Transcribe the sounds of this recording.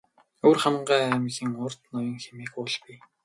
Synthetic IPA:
oːrχam̆ɴɢæːæmɮiːŋʊrt̪nʊjɞ̆ŋxemeːkʊːɮpi

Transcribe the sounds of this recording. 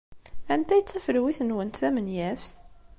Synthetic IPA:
ænt̪æjət͡sːæfəɾwiθənwənt̪ːæmənjæfθ

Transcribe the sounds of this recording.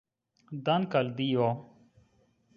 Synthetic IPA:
d̪ɐnkɐld̪ioː

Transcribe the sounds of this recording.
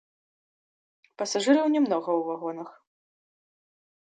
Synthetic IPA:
pɐsaʐɨɾɐwnʲɛmnɔɣɐwvaɣɔnɐx

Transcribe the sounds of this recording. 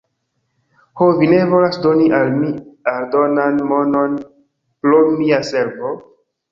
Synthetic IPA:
hovine̞vo̞lasdo̞niʔalmialdo̞nanmono̞n | pɾomiase̞ɾvo

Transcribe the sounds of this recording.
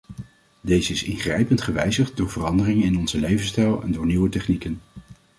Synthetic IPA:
dejzəɪsɪnχrɛjpəntχəʋɛjzəχt̚dʊːɹvərɑndərɪŋənɪnɔnzəlejvənstɛlˠɛ̰ndʊːɹniwətɛχnikən

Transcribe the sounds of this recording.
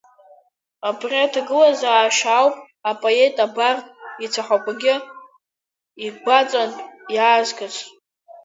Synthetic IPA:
abriatʰaɡɨlazaːʃawpʼ | apʼoe̞tʼabartʼit͡sʰaħʷakʷʼaɡʲɪ | iɡʷat͡sʼanʼjaːzɡʼasʰʼ

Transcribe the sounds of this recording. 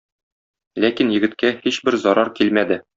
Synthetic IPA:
lækinjɘ̆ɡɘ̆t̪kæhiɕbɘɾzɒɾʔɑɾkilmæd̪ɘ

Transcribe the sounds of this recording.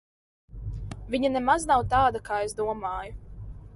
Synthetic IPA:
viɲanɛmaznawt̪aːd̪akaːezd̪uɔmaːju

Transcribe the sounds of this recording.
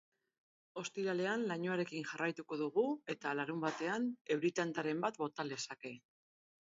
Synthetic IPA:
o̞st̪iɾale̞anlaɲoaɾe̞kiŋʝarajt̪uko̞ðuɣ̞ue̞t̪alaɾumbat̪e̞ane̞wɾit̪ant̪aɾe̞mbat̪bo̞t̪ale̞sake̞

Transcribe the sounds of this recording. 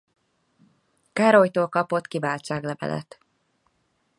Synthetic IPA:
kaːɾo̞jt̪oːlkɒpo̞t̪kivaːlt͡ʃaːɡlɛvɛ̰lʔɛ̰t̪

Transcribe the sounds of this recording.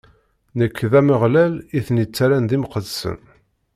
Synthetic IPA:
nəkːðæməʁlæliθnit͡sːaɾænðimqəðsə̰n

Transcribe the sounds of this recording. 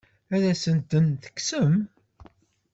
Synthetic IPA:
æðæsənt̪ənθə̥kːsəm

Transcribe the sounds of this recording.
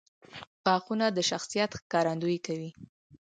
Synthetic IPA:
pɑxunad̪əʃaxsijat̪xkɑɾand̪ujkawi

